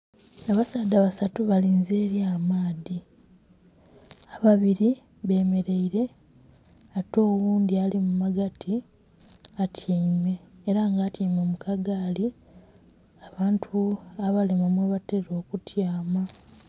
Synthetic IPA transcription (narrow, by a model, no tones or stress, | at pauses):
aβasaːdaβasatuβaliːnzeːɾjaːmaːði | aβaβiɾi | βe̞me̞ɾe̞iɾe̞ | ato̞ːwuːnd̪ialimumaɡatʰi | atʰiːme̞ːɾaŋɡaːtʰiːmemukʰaɡali | aβaːntʰuaβalemamweβateɾo̞ːkutjaːma